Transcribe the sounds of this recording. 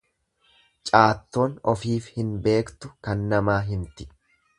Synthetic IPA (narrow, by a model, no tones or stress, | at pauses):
t͡ʃʼaːt̪ːo̞ːnɔfiːfhɪnbe̞ːkt̪ʊkɐnːɐmaːɦɪnt̪ɪ̥